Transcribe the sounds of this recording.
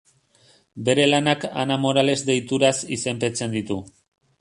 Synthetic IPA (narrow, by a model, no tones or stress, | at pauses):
be̞ɾe̞lanaka̰namo̞ɾale̞zd̪e̞jt̪uɾasise̞mpe̞t͡se̞nd̪it̪u